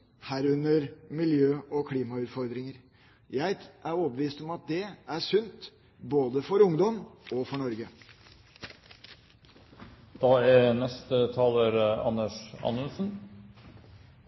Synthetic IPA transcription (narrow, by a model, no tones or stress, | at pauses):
hæːɾʉnːəɾmɪljøːʔɔkʰliːmɑʉːt̪fɔɾd̪ɾɪŋəɾ | jæɪʔæɾoːbəʋiːst̪ɔmɑt̪̚d̪ɛæʂʉnt̪ | boːd̪əfɔɾʊŋd̪ɔmɔfɔɳɔɾɡə | d̪̥ɑːæɾnɛst̪ət̪ʰɑːləɾɑ̰nːəʂɑ̰nəlsn